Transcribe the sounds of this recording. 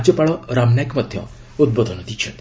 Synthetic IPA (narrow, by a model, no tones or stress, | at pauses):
d͡ʒɔpaɭɔɾamnakmɔd̪ʱjɔ̰̃ | ud̪̚bɔd̪ʱɔnɔd̪it͡ʃʰet̪